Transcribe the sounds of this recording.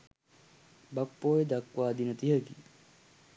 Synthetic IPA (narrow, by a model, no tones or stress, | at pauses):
bɐkːoːjed̪ɐkwʋaːd̪inɐt̪iɦɐɡi